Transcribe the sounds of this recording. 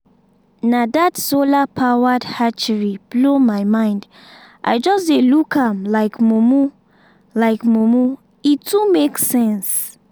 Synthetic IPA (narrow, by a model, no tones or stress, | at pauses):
nadatsolapʰawadhat͡ʃəɹib̥lomaɪmãɪ̃nd | ʔa̰ɪd͡ʒɔsdelukʰãmlaɪkmumu | laɪkmomu | itʰːumeksɛ̃ns